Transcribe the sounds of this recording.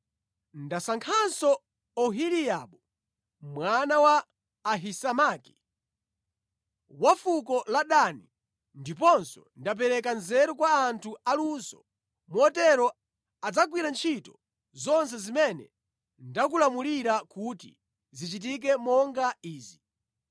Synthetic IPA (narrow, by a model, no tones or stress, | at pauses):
ndasaŋkʰansɔ | ɔɦilijaɓɔ | mwanawaː | ɦisamaki̥ | wafukɔlaɗani | ndip̬ɔnsɔndap̬ɛɾɛkanzɛɾɔkwaːntʰualunsɔ̰ | muɔtɛɾɔ | ad͡zak̬wiɾant͡ʃʰitɔ | zɔns̬ɛzimɛnɛ̰ | ndak̬ulamuliɾakutḭ | zit͡ʃit̬ik̬ɛmɔŋɡaiːzi